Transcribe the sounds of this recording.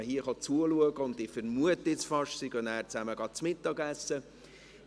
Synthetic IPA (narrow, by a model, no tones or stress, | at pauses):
əɦiəχɑt͡suəluəɡəʊnd̪ɪfəɾmuətːɪt͡sfɑʃsiɡønæːɾt͡sæməɡ̥ɑtt͡smɪtːɑɡæsːə